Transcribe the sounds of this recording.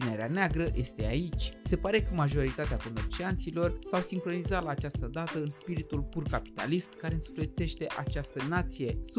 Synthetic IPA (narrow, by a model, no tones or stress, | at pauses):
ine̞ɾeaneaɡɾəjʔe̞st̪e̞ait͡ʃʲse̞paɾe̞kəmaʒo̞ɾit̪at̪eako̞me̞rt͡ʃiant̪silo̞rsawsiŋkɾo̞nizat̪laːt͡ʃast̪əd̪at̪əɨnspiɾit̪ulpurkapi̥t̪a̰list̪kaɾeɨnsu̥flet̪se̞ʃt̪e̞ʔat͡ʃast̪ənat̪sije̞